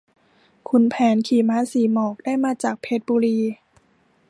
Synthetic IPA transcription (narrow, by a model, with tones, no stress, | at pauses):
kʰu˧npʰɛː˩˦nkʰiː˨˩maː˧˥siː˨˩˦mɔː˨˩k̚daː˥˩jmaː˧t͡ɕaː˨˩k̚pʰe˦˥t̪̚buː˧ɾiː˧